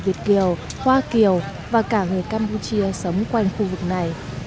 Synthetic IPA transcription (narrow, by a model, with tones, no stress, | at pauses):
vi˨˩ət̚ki˨˧˩əw | hwaː˧ki˨˩əw | vaː˨˩kaː˧˩ŋɨ˨˩əjkaː˧mpu˧t͡ɕi˧əsə˨˦wŋ͡mkwa˧jŋ̟xu˧vɨ˨˩k̚na˨˩j